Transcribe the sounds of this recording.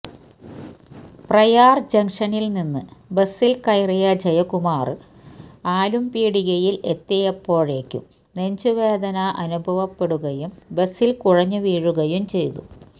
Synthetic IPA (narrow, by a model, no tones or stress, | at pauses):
prɐjaːrd͡ʑɐŋʂɐnilninːɨbe̞sːilkɐjrijɐd͡ʑɐjɐkumaːrɨ | aːlumpiːɽiɣɐjile̞t̪ːɐjɐpːo̞ːɻeːkʲːṵm | ne̞ɲd͡ʑuʋe̞ːd̪ɐnɐʔɐnubʱɐʋɐpːe̞ɽuɣɐjumbesːilkuɻɐɲːɨʋiːɻuɣɐjumt͡ɕe̞jt̪ṵ